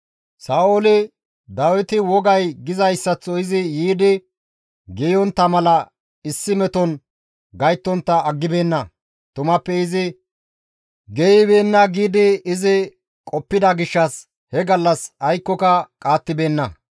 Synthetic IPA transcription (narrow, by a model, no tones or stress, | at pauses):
saːoːlɪ | d̪ɐwɪt̪ɪwɔɡɐjɡɪzɐjsːɐt͡sːɔɪzɪjiːd̪ɪ | ɡɛjɔnt̪ːɐmɐlɐ | ɪsːɪmɛt̪ɔn | ɡɐjt̪ːɔnt̪ːɐːɡːɪbe̞ːnːɐ | t̪ʊmɐpːɛɪzɪ | ɡɛjɪbeːnːɐɡiːd̪ɪɪzɪ | kʼɔpːɪd̪ɐɡɪʃːɐs | hɛɡɐlːɐsɐjkːɔkɐkʼaːt̪ːɪbe̞ːnːɐ